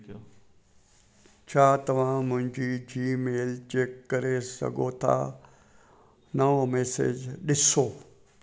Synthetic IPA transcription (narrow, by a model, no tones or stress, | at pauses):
t͡ɕʰaːt̪ɐʋ̤ãmʊ̃ɦɪ̃ɲd͡ʑid͡ʑiːmeːlt͡ɕeːkːɐɾesɐ̰ɡʱot̪ʰa̰ | nɐʋomɛːsḛd͡ʑɗɪsoː